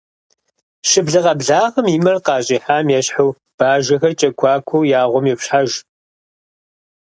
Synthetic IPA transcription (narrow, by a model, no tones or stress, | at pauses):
ʃɪbɮɐʁɐbɮaːʁəmiːmɐrqɑːɕʼiːħaːmjɛɕħɐw | b̥aːʒɐxɐrt͡ʃʼɐkʷʰɑːkʷʰowjaːʁʷɔmjɛpɕħaʒ